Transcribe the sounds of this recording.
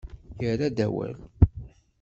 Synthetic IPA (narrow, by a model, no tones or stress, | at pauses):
jəɾæd̪æwæ̰l